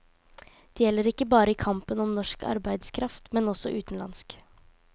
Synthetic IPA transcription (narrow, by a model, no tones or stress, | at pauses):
d̪̥ɛːjɛlːəɾɪkːəbɑːɾəɪːkʰɑmpənɔmnɔʂkʰɑ̰ɾbæɪd̪skʰɾɑft̪mɛnɔsɔʔʉːt̪n̩lɑ̰nsk